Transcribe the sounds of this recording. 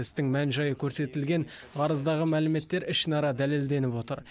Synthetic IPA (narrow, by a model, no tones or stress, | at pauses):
ɪst̪ɪŋmænʒɑjəkʲʰɵɾse̞t̪ɪlɡʲe̞n | ʁʰɑɾəzd̪ɑʁəmælɪme̞t̪ːe̞ɾɪʃnɑɾɑd̪æle̞ld̪e̞nɪpo̞t̪əɾ